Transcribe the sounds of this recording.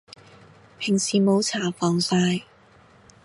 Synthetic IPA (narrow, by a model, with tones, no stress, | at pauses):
pʰɪ˨˩ŋsiː˨mo˨˧wt͡sʰaː˨˩fɔː˨˧ŋsaː˧j